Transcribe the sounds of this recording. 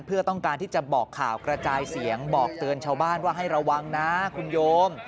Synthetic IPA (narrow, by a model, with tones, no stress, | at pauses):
npʰɯ˥˩ɐt̪ɔ˥˩ŋkaː˧nt̪ʰiː˥˩t͡ɕa˨˩bɔː˨˩kʰːa̰ː˨˩wkɾa˧t͡ɕaː˧jsi˩˦əŋbɔː˨˩k̚t̪ɯ˧ənt͡ɕʰaː˧wbaː˥˩nwaː˥˩ɦa˥˩jɾa˧wːa˧ŋna˦˥kʰu˧njoː˧m